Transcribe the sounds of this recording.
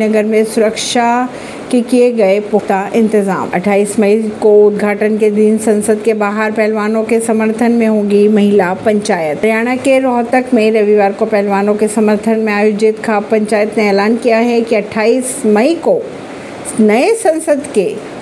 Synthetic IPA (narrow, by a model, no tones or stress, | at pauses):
nɐɡəɾmẽsʊɾəkʃa | kekieɡɐepʊt̪aʔɪ̃nt̪ɪza̰ːmɐ̰ʈʰaːiːsmɐikoʊd̪ʱɡʱaːʈənked̪iːnsɐ̃nsəd̪̚ʱkebaːɦəɾpɛɦlʋaːnõkesɐməɾt̪ʰənmẽɦũːŋ̆ɡimɐɦɪlapɐ̃ɲt͡ɕaːjət̪jaːɽ̃əkeɾɔːɦt̪əkmẽɾɐʋiʋaːɾkopɛɦlʋaːnõkesɐməɾt̪ʰənmẽaːjoud͡ʑiːt̪kʰapɐ̃ɲt͡ɕaːjət̪nẽɛːlaːnkijaɦɛkiɐʈʰaːiːsmɐiko | nɐesɐ̃nsəd̪ʱke